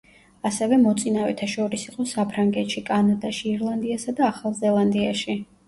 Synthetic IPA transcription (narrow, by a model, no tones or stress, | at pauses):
asɛvɛmɔt̪sʼinavɛt̪ʰaʃɔɾisiqʼɔsapʰɾaŋɡɛt̪ʃikʼanad̪aʃiːɾlˠand̪iasad̪aːχalˠzɛlˠand̪iaʃi